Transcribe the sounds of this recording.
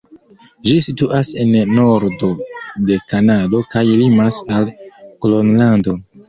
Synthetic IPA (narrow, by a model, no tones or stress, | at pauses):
d͡ʒisituʔase̞nːo̞ɾdo̞de̞kanado̞kajlimasalkolonlando̞